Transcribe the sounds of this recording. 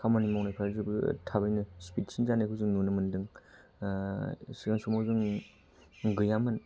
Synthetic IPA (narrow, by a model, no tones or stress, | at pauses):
kʰamanimawnajpʰaɾzɯbɯtʰabɯjnɯspit̚sʰinzanekʰɯzɯŋnunɯmɯndɯŋ | siɡaŋsumazɯŋ | ɡɯjamɯn